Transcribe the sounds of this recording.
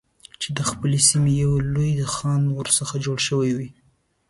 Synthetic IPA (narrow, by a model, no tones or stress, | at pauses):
t͡ʃed̪əxpəlesimejawlojd̪əxɑnwəɾsəxad͡ʒoɽʃəwajwi